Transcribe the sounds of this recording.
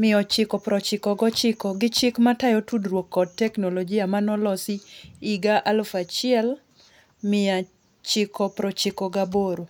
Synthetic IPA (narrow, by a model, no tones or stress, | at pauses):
mɪɔt͡ʃɪkɔpɾɔt͡ʃɪkɔɡɔt͡ʃɪkɔɡɪt͡ʃɪkmatajɔtudrwokːɔd̚tɛknolɔɡɪamanɔlɔsiiɡaʔalfat͡ʃɪɛl | mɪa | t͡ʃɪkʰɔpɾɔt͡ʃɪkɔɡaboɾo